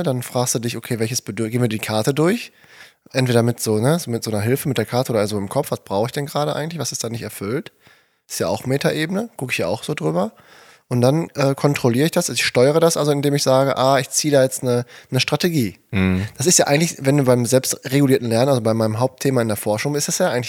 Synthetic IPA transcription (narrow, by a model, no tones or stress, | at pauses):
danfʁ̥aːkstd̥uːdɪçokʰeːvɛlçəsb̥ədɡeːnviːɐdiːkʰaɐtədʊɐç | ʔɛntv̥eːdɐmɪtz̥oːnəzoːmɪtz̥oːnɐɦɪlfəmɪt̚d̥eːɐkʰaɐtəoːɐzoɪmkʰɔpfv̥asb̥ʁaʊxəɪçd̥ɛnɡəʁaːɾəʔa̰ɪŋ̩tlɪçv̥asɪstd̥aːnɪçtɛɐfʏlt | ɪstjaːa̰ʊxmeːtaʔeːbənəkʰʊkəɪç̥aːa̰ʊxz̥oːdʁyːbɐ | ʔʊnt̚d̥anʔɛːkʰɔntʁ̥oliːʁəɪçd̥asaɪçʃtɔʏəʁ̞ədasʔalzoɪndeːmɪçz̥aːɡəʔaːɪçt͡siːədaːjɛt͡stnənəʃtʁ̥atʰeɡiːd̥asɪstjaːʔaɪŋ̩tlɪçvɛnduːbaɪmzɛlpstʁeɡuliːɐtn̩lɛɐnənazobaɪmaɪnəmɦaʊp̚tʰeːmaɪndeːɐfɔɐʃʊŋɪstɛsjaːʔaɪɡŋ̩tɪ